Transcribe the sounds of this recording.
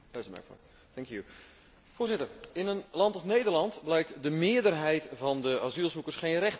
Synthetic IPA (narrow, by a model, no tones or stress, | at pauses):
d̥ɛsəmɛ̰ɹkɔ̰ | θɛŋkju | fʊːrzɪtərɪnənlɑntəχnejdərlɑntblɛjk̚tdəmɪəɹdərɦɛjtvɑndəazilˠzukəɹsχejnrɛχt